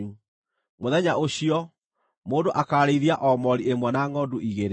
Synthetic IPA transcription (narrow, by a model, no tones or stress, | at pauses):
u | moðɛɲaoɕiɔ | moːdoʔakaːɾeiðiaʔɔmɔɾiemwɛnaŋɔduʔiɣeɾ